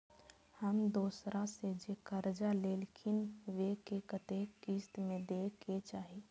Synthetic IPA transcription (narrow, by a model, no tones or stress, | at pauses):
həmd̪oːsɾased͡ʒekəɾd͡ʒaleːlkʰɪnʋekekət̪ekist̪mẽd̪eːket͡ʃaːɦi